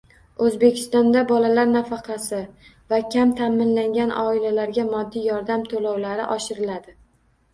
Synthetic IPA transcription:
ɵzbekʲʰɪ̥st̪ɒnd̪abɒlalaɾnafɑqʰɑsɪ | vakʲʰamt̪ʰamɪnlaŋɡʲanɒ̰ɪlalaɾɡʲamɒd̪ːijɒɾd̪amt̪ʰolɒwlaɾɪ̰ʔɒʃɪɾɪlad̪ɪ

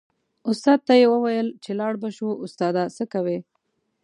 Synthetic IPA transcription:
ʊst̪ɑd̪̚t̪ajewəwajəlt͡ʃelɑɽbaʃuʊst̪ɑd̪asəkawe

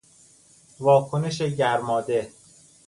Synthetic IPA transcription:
vɒːkʰoneʃeɟæɾmɒːd̪e

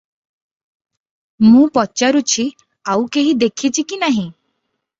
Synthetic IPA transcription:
mũpɔt͡ʃaɾut͡ʃʰi | awkeɦid̪ekʰit͡ʃʰikinaɦĩ

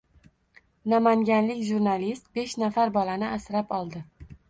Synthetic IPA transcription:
namaŋɡʲanlɪkʲʒuɾnalist̪̚be̞ʃnafaɾbɒlanɪʔasɾapɒlˠd̪ɪ

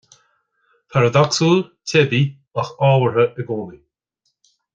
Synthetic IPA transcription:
pʰaɾəd̪ɔksuːltʰebi | axɔːwəɹəʔəɡoːli

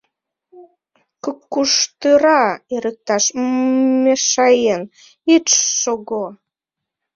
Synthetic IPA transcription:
kəkːuʃt̪ɨɾɑeɾək̚t̪ɑʃmeʃɑjen | iːoɣo

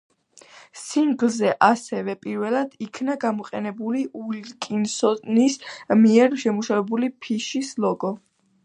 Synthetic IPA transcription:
siŋɡlˠzɛʔasɛvɛpʼiɾvɛlˠad̪̥ikʰnaɡamɔqʼɛnɛbuliʔulkʼinsɔt̪ʼnismiɛɾʃɛmuʃavɛbulipʰiʃislˠɔɡɔ

